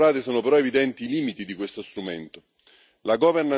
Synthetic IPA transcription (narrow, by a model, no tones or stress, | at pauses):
ɾaːt̪esoːnopeɾɔevid̪ɛnt̪iːliːmit̪id̪ikwest̪ost̪ɾument̪o | laɡɔverna